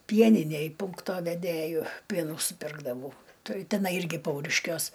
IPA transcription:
ˈpʲiɛnʲɪnʲæj ˈpuːŋktoː ʋʲɛˈdʲeːjʊ ˈpʲiɛnuː sʊˈpʲɪrɡdɐʋɐʊ ˈtɐɪ tʲɛˈnɐɪ ˈɪrʲɡʲɪ ˈpɐʊrʲɪʃʲkʲuɔs

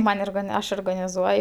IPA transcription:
ˈmɐnʲ oːrɡɐˈnʲɪ ˈɐʃ oːrɡnɐnʲɪˈzuɔj

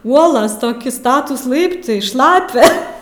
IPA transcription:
ˈuɔlˠoːs toːˈkʲɪ ˈstɑːtuːs ˈlˠɐɪptɐɪ ˈʃlˠɑːpʲɛ

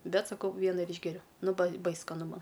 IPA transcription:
ˈbʲɛt sɐˈkɐʊ ˈʋʲiɛnɐ ɪr ˈiːʒʲɡʲɛrʲʊ ˈnʊ bɐɪ ˈbɐɪs skɐˈnʊ ˈmɐn

